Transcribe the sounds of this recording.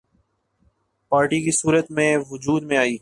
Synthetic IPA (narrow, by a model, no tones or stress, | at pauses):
paːɾʈikisuːɾət̪mẽʋʊd͡ʒuːd̪mẽaːiː